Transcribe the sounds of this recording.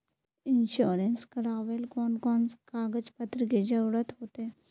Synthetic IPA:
inɕuɾenskəɾaʋelkɔɳkɔnt͡skaɡəd͡zpət̪ɾiked͡ʑəwɾət̪ɦot̪e

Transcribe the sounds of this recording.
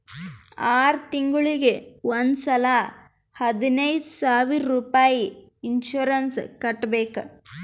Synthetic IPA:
aːɾt̪iŋɡuɭiɡeʋond̪sɐla | hɐd̪inɐjd̪saːʋiɾːuːpaːjiː | nʃuɾɐnskɐʈːbeːkɐ

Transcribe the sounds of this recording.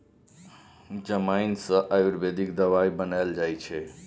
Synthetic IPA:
d͡ʒəmaɪnsə̃ʔajuɾbed̪ikd̪əʋaibənaɪld͡ʒajt͡ʃʰɛ

